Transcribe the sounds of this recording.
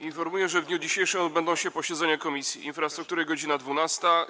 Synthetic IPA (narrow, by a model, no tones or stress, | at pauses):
infɔɾmujɛʐɛvd̪ɲud͡ʑiɕejʂɛmɔd̪̚bɛnd̪ɔ̃w̃ɕɛpɔɕɛd̪zɛɲakɔmʲisʲjḭʔḭnfɾast̪ɾuk̚t̪uɾɘɡɔd͡ʑinad̪vunast̪a